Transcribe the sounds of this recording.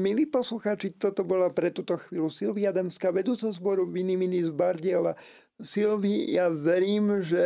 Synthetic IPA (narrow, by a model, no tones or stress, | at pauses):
miliːpɔsluxaːt͡ʃit̪ɔt̪ɔbɔlapɾɛt̪uːt̪ɔxʋiːlusilʋiad̪ɛmskaːʋɛd̪uːt͡sɛzbɔɾuʋiniminizbaɾɟɪɛla | silʋijaʋɛɾiːmʒɛ